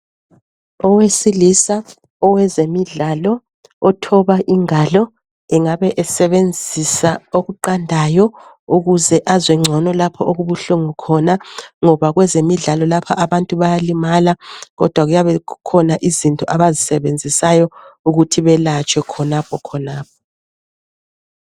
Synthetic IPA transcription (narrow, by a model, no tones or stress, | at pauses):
ɔwesilisa | ɔwɛzemiɮaːlɔː | tʰɔβaʔiŋalɔ | ɛŋaβɛʔɛsɛβend͡zʱisaoɣuǃandʱajɔ | uɣuzɛʔazwɛŋ͡ǀʱɔnɔlapʰɔoɣuβuɬuŋukʰɔnaŋɔβaɣwɛzemiɮalɔlapʰaʔaβantʼuβajalimalaɣɔ̰d̥ʱwaɣujaβɛkʰɔnaʔizintʼɔʔaβazisɛβend͡zʱisajɔuɣutʰiβɛlat͡ʃʼwɛkʰɔnapʰɔkʰɔnaːp̚ʰɔ̥